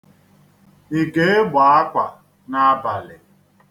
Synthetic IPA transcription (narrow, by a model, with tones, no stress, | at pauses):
i˨ɡe˦e˦ɡ͡ba˨a˦kʷa˨ | na˦ba˨lɪ˨